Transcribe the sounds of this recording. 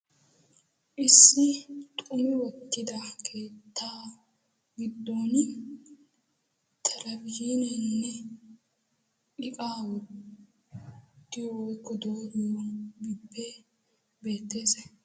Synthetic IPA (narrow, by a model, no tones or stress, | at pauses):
ʔɪsːɪt̪ʼʊmɪwɔt̪ːɪd̪ɐkʰe̞ːt̪ʰːaː | ɡɪd̪ːoːn | t̪ʰɛlɐbjinɛnːɛ | ʔɪkʼaːwɔt | t̪ːɪjɔwɔjkːɔd̪oːɡɪwɔnbɪbːɛ | be̞ːt̪ːeːsɛ